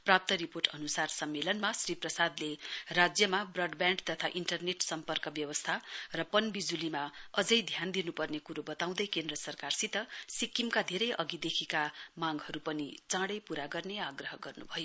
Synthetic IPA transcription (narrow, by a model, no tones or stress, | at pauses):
prap̚t̪ʌɾiporʈʌnusarsʌmːelʌnmasriprʌsad̪lerad͡zjʌmabrʌɖbjãɳɖt̪ʌt̪ʰaʔiɳʈʌrneʈsʌmpʌrkʌbjʌwʌst̪ʰarʌpʌnbid͡zulimaʌd͡zʌjd̪ʱjand̪inupʌrnekuɾobʌt̪aw̃d̪ʌjkend̪rʌsʌrkarsit̪ʌsikːimkad̪ʱeɾʌjʔʌɡid̪ekʰikamaɡɦʌɾupʌnit͡sãɽʌjpuɾaɡʌrneaɡrʌɦʌɡʌrnṵbʱʌjo